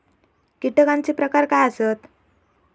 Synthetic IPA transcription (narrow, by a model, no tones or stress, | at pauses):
kiʈəkãɲt͡ɕiːpɾəkaɾkajəsət̪